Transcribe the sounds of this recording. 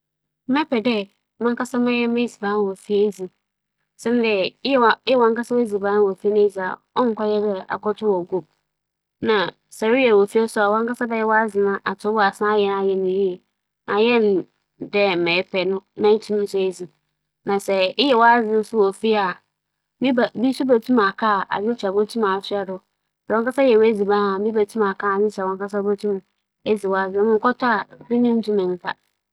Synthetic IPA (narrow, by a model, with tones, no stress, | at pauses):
mɛ˦pʰɛ˨dɛ˦ | mã˦ŋka˦sa˦mã˦jɛ˦mẽ˦˨zi˨bã˨˦n˦wɔ˨fi˦e˦zi˨ | sɛ̃˦n˦dɛ˨˦˨ɪ˦ɛ˦˨wã˦ŋka˦sa˦wo˦zi˨ba˨˦n˦wo˨fi˦nʊ̃˦e˦za˨ | ɔ˦ŋ˨kʷa˦jɛ˦dɛ˦a̰˨kɔ˦tʰʊ˦wɔ˨ɡo˦˨b̚ | nã˨ | sa˨ɾi˦jɛ˨wo˨fi˦a˦sʊ˦a˨wɔ̃˦ŋ˦ka˦sa˦bɛ˦jɛ˦wɔ˦a˦zɪ̃˨nã˨ʔa˨tʰʊ˨˦ba˨sã˦jɛ˦n˦a˦jɛ˦nɪ̃˨je˦˨ | nã˨jɛ˦n˨ | dɛ˦m̩˨mɛ̃˨˦pʰɛ˨nʊ̃˦nã˦tʰĩ˦nʊ̃˦sʊ˦e˦zi˨ | nã˨sɛ˨ɪ˦jɛ˨wɔ˦a˦zɪ˦n̩˦sʊ˦wo˨fi˦a˨ | mĩ˦ba˨bi˦su˦ba˨tʰũ˦ma˨kʰa˦˨a̰˨zɪ˦t͡ɕʰa˨bo˦tʰũ˦ma˨sɪ˦a˨dʊ˨˦ | sɛ˨ɔ̃˦ka˦sa˦jɛ˨we˦zi˨bã˦a˨˦mĩ˦ba˨tʰũ˦ma˨kʰa˦˨a˨zɪ˦t͡ɕʰa˨wɔ̃˨ŋka˦sa˦bo˦tʰũ˦m˨ | e˦zi˨wɔ˨˦a˦zɪ˦mʊ̃˦ŋ̩˦kɔ˦ta˦a˨bɪ̃˦nĩ˦m˦tũ˦mɪ̃˨n̩˨tʰa˦